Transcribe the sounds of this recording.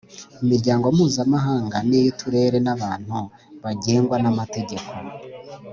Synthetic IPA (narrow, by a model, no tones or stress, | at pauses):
imiɾɟaːŋɡo̞muːzamaɦaːŋɡanejitʰuɾe̞ːɾe̞naβaːn̥hu | βaɟe̞ːŋɡwanamate̞ɟe̞kʰo̞